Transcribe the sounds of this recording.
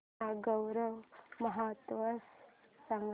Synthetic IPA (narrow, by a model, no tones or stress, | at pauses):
aːɡɐwɾɐmɐɦaːt̪ʋɐsːɐŋɡ